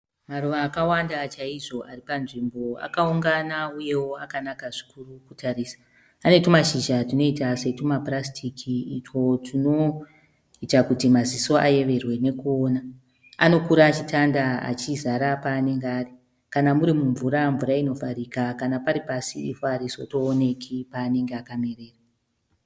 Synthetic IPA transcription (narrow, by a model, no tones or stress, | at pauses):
maruʋaːkawandat͡ʃaiʐo̞ʔaripanʐimbo̞a̰kauŋɡanauje̞wo̞akanakaʐi̥kurukutʰariːsḁ | ane̞tumaʃiʒatino̞itase̞tumaprastʰikʰiːt͡ʃo̞tʰino̞ | itakutimaziso̞ʔaje̞ʋe̞rwe̞ne̞kuoːna | a̰no̞kuɾaːt͡ʃitʰandaa̰t͡ʃizaɾapaːne̞ŋɡeari | kanamuɾimuɱvuɾaɱvuɾaino̞vaɾikakanapaɾipasiifoaɾisoto̞ːne̞kʰipaːne̞ŋɡeakame̞reːra